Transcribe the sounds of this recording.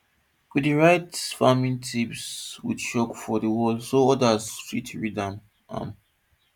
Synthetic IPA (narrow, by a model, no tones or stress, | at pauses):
widiɹaɪtfamĩntʰipswḭdʃɔkfɔdəwɔlsoɔdazfitʰɹidãm | ʔã̰m